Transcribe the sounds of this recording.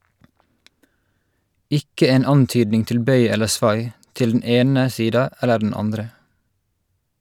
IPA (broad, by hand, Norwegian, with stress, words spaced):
ˈʔɪkə ˈeːn ˈɑnˌtyːdnɪŋ ˈtɪl ˈbœʏ ˈɛləɹ ˈsʋɑɪ ˈtɪl dn̩ ˈeːnə ˈsiːdɑ ˈælə ɖɳ̩ ˈɑndɾə